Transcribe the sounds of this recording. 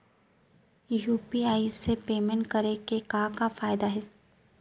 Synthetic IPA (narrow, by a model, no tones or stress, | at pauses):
juːpiaːisːepeːmẽɳʈ̚kɐɾekekãːkafaːjd̪aɦɛː